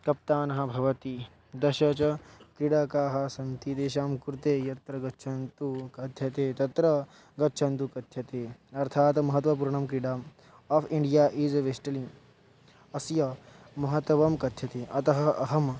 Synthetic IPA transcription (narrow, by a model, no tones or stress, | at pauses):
kɐp̚t̪aːnɐɦɐ̆bʱɐʋɐt̪i | d̪ɐʃɐt͡ʃɐkɾiɽakaːɦɐsɐnt̪it̪eːʃaːmkuɾt̪eːjɐt̪ɾɐɡɐtːʃʰɐnt̪ukɐd̪ʱjɐt̪eːt̪ɐt̪ɾɐ | ɡɐtːʃʰɐnt̪ukɐd̪ʱjɐt̪eːɐɾt̪ʰaːt̪mɐɦɐt̪ʋɐp̬uɾɳɐmkɾiɽaːm | aːpʰiɳɖijaːʔiːd͡ʒɐʋeʃʈɐliŋ | ɐsjɐ | mɐɦɐt̪ɐʋɐmkɐt̪jɐt̪eːʔɐt̪ɐɦɐ̆ɐɦɐm